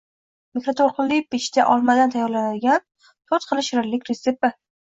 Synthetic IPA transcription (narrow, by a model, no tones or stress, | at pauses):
mikɾat̪ʰoɾˠqʰɨlːɪpɪʃt̪aʔɒlˠmad̪ant̪ʰajːɒɾlanad̪ɪɡʲan | t̪ʰot̪̚qʰɨlˠɪʃɪɾɪɾlɪkʲɾesepːɪ